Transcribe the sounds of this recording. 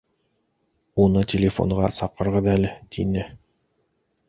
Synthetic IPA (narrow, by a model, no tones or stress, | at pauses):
unɤtʲɪlʲɪfo̰ɴʁɑ̰sɑqɤ̆ɾʁɤðælɘt̪ʰinɘ